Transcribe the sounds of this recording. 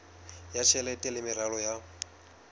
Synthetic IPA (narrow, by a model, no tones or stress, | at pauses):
jat͡ʃʰɛlɛtʼɛlɪmɪɾalɔja